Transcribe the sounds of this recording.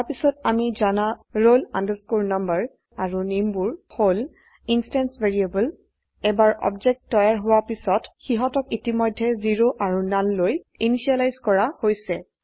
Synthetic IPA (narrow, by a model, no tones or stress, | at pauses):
aɹpisɔtamizanaɹolandəskuɹnambəɹ | aɹunimbuɹhol | instɛnsveɹiebəl | ɛbaɹɔ̰bzɛk̚ttːɔjaɹɦʊwapisɔtxiɦɔtɔkitimɔjdʱːɛziɹoʔaɹunanloj | iniʃialajzkɔɹahojsɛ